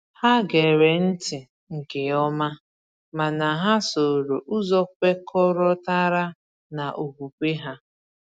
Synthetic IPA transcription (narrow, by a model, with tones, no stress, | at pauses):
ha˦ɡe˨ɾe˨n̩˦tɪ˨ | ŋ̩˨ke˨ɔ˦ma˦ | ma˨na˨ɦa˦so˨ɾo˨ʔu˦zɔ˦kʷe˦kʰɔ˦ɾɔ˦ta˦ɾa˦ | na˨ʔo˨kʷu˨kʷe˦ɦa˦